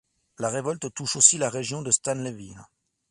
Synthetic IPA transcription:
laʁevɔlt̪t̪uʃosilaʁeʒjɔ̃d̪əst̪anləvin

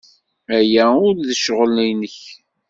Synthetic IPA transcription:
æjæʊɾðəʃʁəlnijnəç

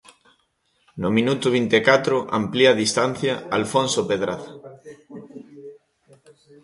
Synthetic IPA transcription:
nʊmĩnut̪ʊβint̪ekat̪ɾʊʔa̰mpliaðist̪anθjɐalfonsopeðɾaða

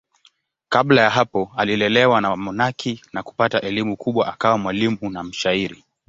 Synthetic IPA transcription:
kablajaɦapɔalilɛlɛwanamɔnakʰinaku̥pataʔɛlimukʰuɓwaʔakawamwalimunam̩ʃaiɾi

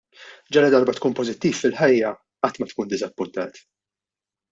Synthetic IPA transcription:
d͡ʒɐɾɐd̪ɐɾbɐt̪kuːnpɔzɪt̪ːiːfːɪlħɐjːɐ | ɐt̪ːmɐt̪kuːnd̪ɪzɐpːʊnt̪ɐːt̪

